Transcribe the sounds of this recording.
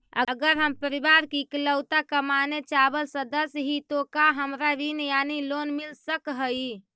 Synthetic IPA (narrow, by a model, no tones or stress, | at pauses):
ə̰əɡəɾɦəmpəɾibaɾkikləwt̪akəmanet͡ʃabəlsəd̪əsɦit̪okaɦəmɾaɾinjanilonmilsəkɦəi